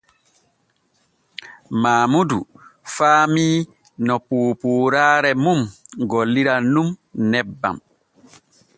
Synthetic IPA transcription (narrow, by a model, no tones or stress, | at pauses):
maːmudufaːmiː | nɔpuːpuːɾaːɾɛmumɡɔlːiɾanumnɛbːa̰m